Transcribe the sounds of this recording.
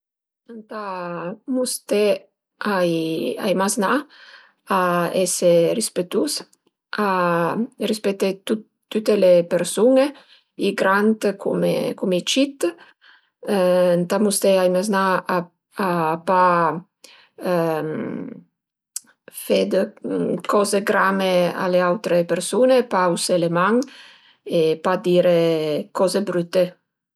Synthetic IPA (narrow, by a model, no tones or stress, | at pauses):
ənt̪amust̪e | aja̰jmazna | aeserispet̪us | a | rispet̪et̪u | t̪ːut̪elepeɾsune | iɡɾant̪kʰṵmḛkumit͡ʃit̪ | nt̪amust̪eaimaznaa | apa | m | fed̪kʰɔzeɡɾamea̰leawt̪ɾepeɾsunepauselemaŋ | epad̪iːɾekɔzebɾyt̪ːe